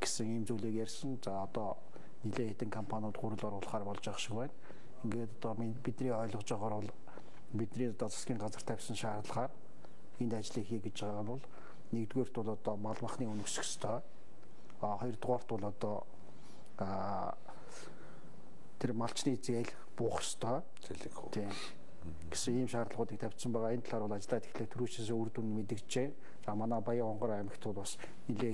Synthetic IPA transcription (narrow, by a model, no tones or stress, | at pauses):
ɡ̥e̥sɘ̆ŋiːmt͡suːɮiːkjærʲsə̆nt͡saːɔt̪ɔː | niɮeːxet̪ɘ̆ŋkʰɔmpʰanʲʊːt̪χuɾɘ̆ɮɔɾʊːɮ̆χaːrpɔɮt͡ɕaʃɪ̆kpæːn | eŋɡeːt̪ɔt̪ɔ | pit̪nriːɔːɮɞ̆qt͡ɕaʁɔːɾʊɮ | pit̪nriːŋɔt̪ɔːt͡sʰḁskʲiːŋɢat͡sə̆r̥t̪ʰæwʲsə̆nʃaːɾə̆ɮχaːr | ent̪at͡ɕɮiːxiːkɡet͡ɕt͡ɕaʁaːʁaʊɮ | nekt̪ɣeːr̥t̪ʊɮɔt̪ɔːmaɮmăχniːɵnɵ̆ksɵ̆kst̪ʰœː | χɔj̆rt̪ʁɔːr̥t̪ʊɮɔt̪ɔː | t̪ʰermaɬt͡ɕniːt͡seːɮ | pʊːχst̪ʰœː | eɮ̆xt̪ʰiː | ɡ̥e̥sɘ̆ŋiːmʃaːrt̪əɮ̆ʁʊːt̪iːk̚t̪ʰæw̥ʲsə̆mpæːʁaːent̪ʰɮaɾʊːɮat͡ɕ̆ɮaːt̪ɡe̥xɮeːt̪ʰuɾuːt͡ɕes̬urt̪unmet̪̬ɘ̆kt͡ɕeː | t͡samanaːpajəɔɴɢɞ̆ɾaæmɪ̆kt̪ʰʊːɮpɔs | niɮeː